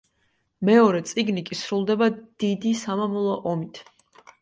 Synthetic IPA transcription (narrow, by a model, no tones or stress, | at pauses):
mɛɔɾɛt̪sʼiɡnikʼisɾulˠd̪ɛbad̪̥id̪isamamɔlˠɔʔɔmit̪ʰ